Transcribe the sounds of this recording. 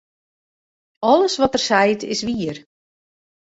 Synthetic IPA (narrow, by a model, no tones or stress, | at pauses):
ɔləsʋɔtərsɛjtʰɪ̰sʋiər